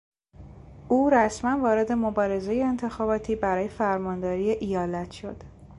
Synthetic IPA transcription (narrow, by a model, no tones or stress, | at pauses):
uːɾæsmænvɒːɾe̞d̪e̞mobɒːɾe̞zejeːnt̪ʰe̞xɒːbɒːt̪ʰiːbæɾɒːje̞fæɾmɒːnd̪ɒːɾiːeʔijɒːlæt̪ʰʃo̞d̪̥